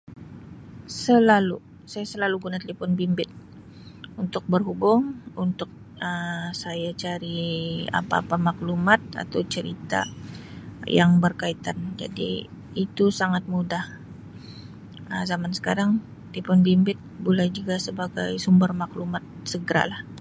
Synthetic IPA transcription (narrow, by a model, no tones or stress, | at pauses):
səlalu | sajasəlaluɡunat̪əlipʊnbimbɪt̪̚ | unt̪ʊk̚bərɦubʊŋunt̪ʊk̚ | əsajat͡ʃaɾia̰paːpamaklumat̪̚a̰t̪awt͡ʃəɾḭt̪a̰ | jaŋbərkait̪and͡ʒa̰dḭː | t̪usaŋat̪̚mudah | əzamansə̥kaɾaŋ | t̪lipʊnbimbɪt̪̚bulajd͡ʒuɡasəbaɡa̰jsumbərmaklumat̪̚səɡəɾa̰lah